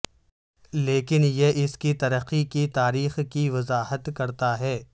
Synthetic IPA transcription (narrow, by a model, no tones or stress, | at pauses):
leːkɪnjeʔɪskit̪ɐɾəqːikit̪aːɾiːxkiʋɐzaːɦət̪kɐɾt̪aɦɛː